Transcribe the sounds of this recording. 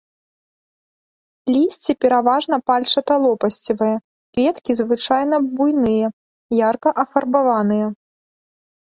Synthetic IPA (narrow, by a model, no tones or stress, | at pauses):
lʲisʲt͡sʲipʲɛɾavaʐnɐpalʲt͡ʂɐt̪ɐlˠɔpɐsʲt͡sʲivɐjɐ | kvʲɛt̪kʲizvɨt͡ʂajnɐbujnɨjɐ | jarkɐʔɐfɐrbavanɨjɐ